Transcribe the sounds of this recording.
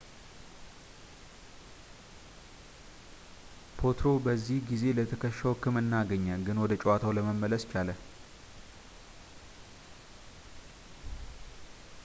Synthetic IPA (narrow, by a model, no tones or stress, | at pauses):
pʰo̞t̪ɾo̞bəzːihɡize̞lət̪ʰəkʰəʃːəwkʰːɨmɨnːaɡəɲːəɡɨnwɔd̪ət͡ʃʼɛwat̪ʰawləməmːələst͡ʃalə